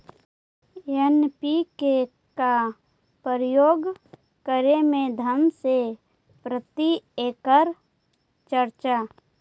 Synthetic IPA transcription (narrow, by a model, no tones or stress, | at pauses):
enpike | ka | pəɾjoːɡ | kəɾemẽd̪ʱəmse | pɾət̪ieːkəɾ | t͡ʃəɾt͡ʃa